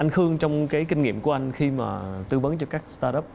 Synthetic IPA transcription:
ʔa˧jŋ̟xɨ˧əŋt͡ɕɔ˧wŋ͡mkaː˨˦jkï˧ŋ̟ŋḭ˧˨əmku˧˩əʔa˧jŋ̟xi˧ma̰ː˨˩t̪ɨ˧və˨˦nt͡ɕɔ˧kaː˦˥k̚st̪aː˧ɗə˦˥p̚

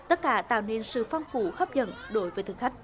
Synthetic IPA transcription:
t̪ə˦˥t̚kaː˨˦t̪a̰ː˧˨wne˧nsɨ̰˧˨fɔ˧wŋ͡mfu˨˩˦xə˦˥p̚zə̰˧˩nɗo˨˦jvəː˨˦jt̪ɨ˨˧˩xa˦˥jk̟̚

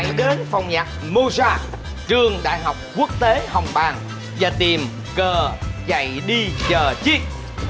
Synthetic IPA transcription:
jɗe˨˦nfa˨˩wŋ͡mɲaː˨˩k̚mo˧zaː˧ | t͡ɕɨ˧əŋɗa̰ː˧˨jɦa˨˩wk͡p̚ku˦˥ək̚t̪e˨˦hə˨˩wŋ͡mɓaː˨˩ŋ | vaː˨˩t̪i˨˩m | ɣəː˨˩za̰˧˨jɗi˧zəː˨˩t͡ɕi˦˥k̚

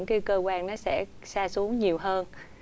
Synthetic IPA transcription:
ŋkaː˨˦jkəː˧kwaː˧nnɔ˨˦sɛ̰˧˥ | saː˧su˨˦əŋɲi˨˩əwɦəː˧n

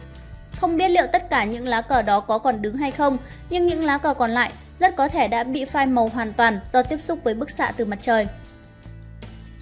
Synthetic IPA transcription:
xə˧wŋ͡mɓi˦˥ət̚lḭ˧˨wt̪ə˦˥t̚kaː˧˩ɲɨ̰˧˥ŋlaː˨˦kəː˧˩ɗɔ˨˦kɔ˨˦kɔ˨˩nɗɨ˨˦ŋɦa˧jxə˧wŋ͡m | ɲɨ˧ŋɲɨ̰˧˥ŋlaː˨˦kəː˧˩kɔ˨˩nla̰ː˧˨j | zə˦˥t̚kɔ˨˦t̪ʰe˧˩ɗa̰ː˧˥ɓḭ˧˨faː˧jmə˨˩wɦwaː˨˩nt̪waː˨˩nz̥ɔ˧t̪i˦˥əp̚sʊ˦˥k͡p̚vəː˨˦jɓɨ˦˥k̚sa̰ː˧˥t̪ɨ˨˩ma˨˩t̚t͡ɕəː˨˩j

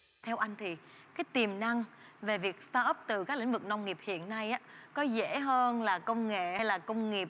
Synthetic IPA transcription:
t̪ʰɛ˧wʔa˧jŋ̟t̪ʰi˨˩ | kaː˨˦jt̪i˨˩mna˧ŋ | ve˨˩vi˨˩ək̚st̪aː˧ʔə˦˥p̚t̪ɨ˨˩kaː˦˥k̚lï˧˥ŋ̟vɨ˨˩k̚na˧wŋ͡mŋi˨˩əp̚hḭ˧˨ənːa˧jʔaː˦kɔ˨˦zḛ˧˥ɦəː˧nlaː˨˩kə˧wŋ͡mŋḛ˧˨ha˧jlaː˨˩kə˧wŋ͡mŋi˨˩əp̚

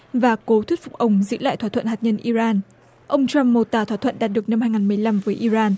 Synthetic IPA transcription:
vaː˨˩ko˨˦t̪ʰwi˦˥tfʊ˨˩k͡p̚ʔə˨˧˩wŋ͡mzɨ̰˧˥la̰ː˧˨jt̪ʰwaː˧˩t̪ʰə˧˨nha˨˩t̚ɲə˧nʔi˧zaː˧n | ʔə˧wŋ͡mt͡ɕa˧mːo˨˩t̪aː˨˩t̪wa˧˩t̪ʰwə̰˧˨nɗaː˨˩t̚ɗɨ˨˩ək̚na˧mhaː˧jŋaː˨˩nmɨ˨˩əjla˧mvəː˨˦jʔi˧zaː˧n

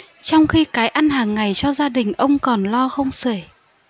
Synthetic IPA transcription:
t͡ɕɔ˧wŋ͡mxi˧kaː˨˦jʔa˧nɦaː˨˩ŋːa˨˩jt͡ɕɔ˧zaː˧ɗï˨˩ŋ̟ʔə˧wŋ͡mkɔ˨˩nlɔ˧xə˧wŋ͡msəː˧˩j

